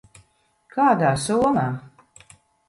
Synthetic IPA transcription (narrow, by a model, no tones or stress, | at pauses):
kaːd̪aːsuɔmaː